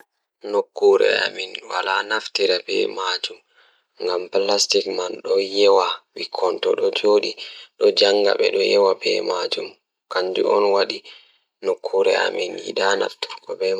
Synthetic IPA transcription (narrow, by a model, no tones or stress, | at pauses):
nokːuɾɛ̰a̰minwalanaftiɾabɛ̰mad͡ʒum | ŋɡamplastikmanɗɔjɛwawikʰɔntɔɗɔd͡ʒoːɗiɗɔd͡ʒaŋɡa̰ɓɛ̰ɗɔjɛwabɛ̰mad͡ʒum | kaɲd͡ʒuɔnwaɗi | nokʰːuɾɛa̰minjḭɗana̰ftiɾkɔbɛ